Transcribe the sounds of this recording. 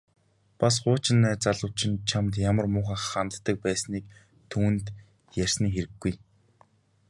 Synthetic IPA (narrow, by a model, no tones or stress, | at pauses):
pasɢʊːt͡ɕɪ̆nːæːt͡saɮʊ̆wt͡ɕʰɪ̆nt͡ɕʰamt̪jamə̆rmʊːχaːχχːant̪ːə̆k̚pæːsniːk | t̪ʰuːnt̪ | jær̥ʲsniːxeɾɘ̆ɡːuj